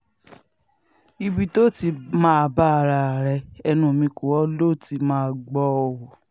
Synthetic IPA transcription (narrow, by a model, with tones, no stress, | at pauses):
i˧bi˧to˦˨ti˧mãː˦˧ba˦˧˨ɾa˧˨ɾɛ˧ɛ˧nũ˧˨o˨mĩ˧ko˨wɔ˦lo˦˨ti˧˦mãː˦˨ɡ͡bɔ˧ɔ˧wɔ˨